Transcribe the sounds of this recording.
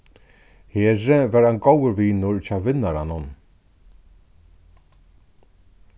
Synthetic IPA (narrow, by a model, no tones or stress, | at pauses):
heːɾɪvaːɾanɡowəɾviːnʊɹt͡ɕaːwʋɪnːaɾanʊn